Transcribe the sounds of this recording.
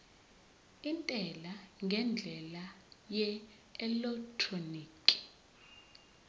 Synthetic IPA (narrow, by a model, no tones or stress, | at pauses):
intʼɛlaŋɡʱɛnd͡ɮʱɛlajɛ | ɛlɛktʰroniːkʼi̥